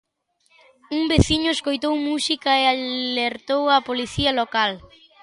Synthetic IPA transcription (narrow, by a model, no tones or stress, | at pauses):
uŋbeθiɲʊeskojt̪owmusikaealeɾt̪owɐpoliθiɐlokal